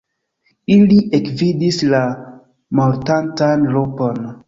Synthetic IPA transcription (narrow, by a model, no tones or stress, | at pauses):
iliʔekvidisla | moɾtantanlopon